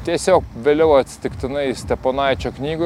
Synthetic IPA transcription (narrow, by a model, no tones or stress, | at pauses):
t̪ʲiɛsʲoːkʋʲeːlʲɛʊɐt̪ʲsʲɪ̥t̪ʲɪkt̪ʲɪnɐɪsʲt̪ʲɛpoːnɑɪt͡ʃʲoːknʲiːɡʊ